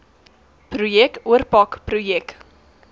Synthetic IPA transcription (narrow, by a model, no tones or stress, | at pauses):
prujɛkuərpɑkprujɛk